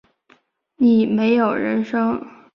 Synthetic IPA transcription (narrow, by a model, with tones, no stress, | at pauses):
ni˨˩me˧˥ɪjo˨˩ʊɻə̰˧˥nʂɤ˥ŋ